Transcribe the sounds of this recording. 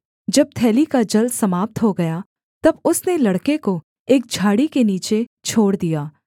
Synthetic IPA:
d͡ʒɐb̚t̪ʰɛːlikad͡ʒɐld̪sɐmaːp̚t̪ɦoɡɐja | t̪ɐbʊsnelɐɽkeko | eːk̚d͡ʒʱaːɽikeniːt͡ʃet͡ʃʰoːɽd̪ijaː

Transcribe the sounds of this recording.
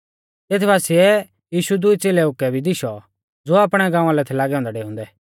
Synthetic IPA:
t̪eːt̪ʰbaːsiɛ | jiːʃud̪ʊit͡seːlɛʊkːɛbʱid̪ɪʃɔ | d͡zoːaːpɽ̃ɛɡãːãlɛt̪ʰɛlaːɡɛʊ̃ːnd̪ɛɖeːɦʊ̃ːnd̪ɛː

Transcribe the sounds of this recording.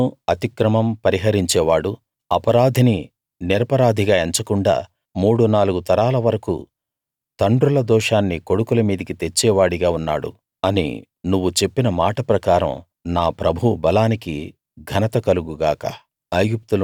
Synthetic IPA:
uɐt̪ikɾɐmɐmpɐɾiɦɐɾiɲt͡ʃɛːʋaːɽu | ɐpɐɾaːd̪ʱini | niɾɐpɐɾaːd̪ʱiɡaːeɲt͡ʃɐkuɳɖa̰ː | muːɽunaːluɡut̪ɐɾaːlɐʋɐɾɐkṵ | t̪ɐɳɖɾulɐd̪ɔːʂaːnːikoɽukulɐmiːd̪ikit̪e̞t͡ʃːɛːʋaːɽiɡaːunːaːɽṵ | ɐnḭ | nuʋːut͡ʃe̞pːinɐmaːʈɐpɾɐkaːɾɐ̰m | naːpɾɐbʱubɐlaːniki | ɡʱɐnɐt̪ɐkɐluɡuɡaːkɐ̰ | ɐjjup̚t̪ul

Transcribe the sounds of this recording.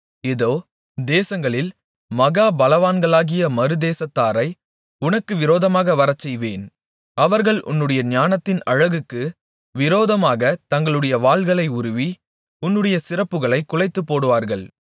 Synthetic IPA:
ɛðoː | d̪eːsɐŋɡɐɭɪl | mɐɣaːbɐlɐʋaːnɡɐɭaːɣɪjɐmɐɾɯd̪eːsɐt̪ːaːɾɐɪ | ʊnɐkːɯʋɪɾoːðɐmaːɣɐʋɐɾɐt͡ʃːɛjʋeːn | ɐʋɐɾɣɐɭʔʊ̰nːɯɽɐjɐɲaːnɐt̪ːɪnɐɻɐɣɯkːɯ | ʋɪɾoːðɐmaːɣɐt̪ɐŋɡɐɭɯɽɐjɐʋaːɭɣɐɭɐɪʊɾɯʋi | ʊnːɯɽɐjɐsɪɾɐpːɯɣɐɭɐɪkːʊɭɐɪt̪ːɯpːoːɽɯʋaːɾɣɐɭ

